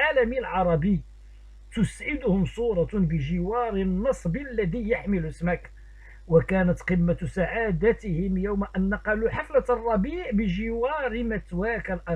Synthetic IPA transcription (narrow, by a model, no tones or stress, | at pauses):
alæmilʕɑɾˤɑbi | t̪ʊsʕɪd̪ʊhʊmsˤuːɾˤɑbəʒɪwɑɾnːɑsˤblːæd̪ijaħməlʊsmak | wakæːnæt̪qəmːasaʕad̪æt̪ɪhɪmjawmaʔænːaqɑluħaflarˤːɑbiːʕbəʒɪwɑɾmæt̪wakalʔɑ